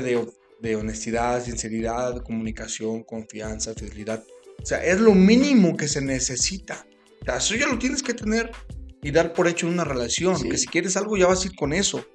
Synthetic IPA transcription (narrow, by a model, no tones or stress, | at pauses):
ðe | d̪e̞o̞ne̞st̪iðaðsinse̞ɾiðaðko̞mũnikasjo̞ŋko̞ɱfjansafiðeliðaðosea̰ʔe̞zlo̞mĩnĩmo̞ke̞se̞ne̞se̞sit̪a | seaesoʝalo̞t̪jene̞ske̞t̪e̞ne̞ɾiðaɾpo̞ɾe̞t͡ʃonunare̞lasjo̞nke̞si̥kje̞ɾe̞salɣo̞ʝaβasaiɾko̞ne̞so̞